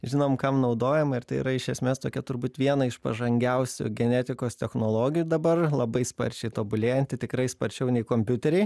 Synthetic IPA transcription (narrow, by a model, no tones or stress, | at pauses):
ʒʲɪnoːmkɐmnɐʊd̪oːjɛmɪɾt̪ɐɪḭɾɐɪʃʲɛsʲmʲeːst̪oːkʲɛt̪ʊɾbuːt̪ʋʲiɛnɐɪʃpɐ̰ʒɐŋʲɡʲɛʊsʲʊ̰ɡʲɛnʲæːt̪ʲɪkoːst̪ʲɛxnoːlˠoːɡʲɪjʊd̪ɐbɐrlˠɐbɐɪspɐ̰ɾʲt͡ʃʲɛɪt̪oːbʊlʲeːjɛnʲt̪ʲɪt̪ʲɪkɾɐɪspɐɾʲt͡ʃʲɛʊnʲɛɪkoːmʲpʲʊt̪ʲɛɾʲɛɪ